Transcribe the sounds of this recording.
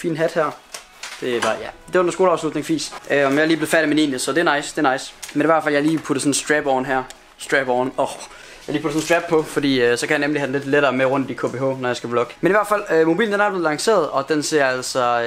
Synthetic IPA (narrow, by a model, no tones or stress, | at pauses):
fḭːnɦæd̥hæɐ̰ | d̥e̝b̥ɑ̈jæd̥e̝nso̝ːlɑ̈ʊslud̥ne̝ŋfḭːsøɒmjɑɪliːb̥le̝fæɐɾimenḭːnəsɒ̽d̥e̝ɐnɑ̈ɪsd̥e̝ɐnɑ̈ɪsmeniʋæɐdfæljɑ̈liːpʰuɾ̥əsɒ̽n̩sd̥ʁɛb̥ɒʊn̩ɦæɐ̰ | sd̥ʁɛb̥ɒnɒ | jɑliːpʰudəsɔn̩sd̥ʁæb̥̚pʰɒ̽fɒ̽d̥ḭːsɒ̽kʰæjɑnemlihæd̥en̩le̝d̥leɾ̥ɐːmeʁɔ̽n̰d̥ikʰo̝ːb̥eːɦɔ̰ːnɒjɑɪsɡ̥æb̥lɔ̽ɡ̥ə̥meniʋæɐ̰̥fæl̰ømo̝bḭːln̩d̥enæɐb̥le̝ð̩ˠlɑ̈ŋse̝̰ːɐð̞̩ˠɒ̽d̥ense̝ɐæl̰sɒ̽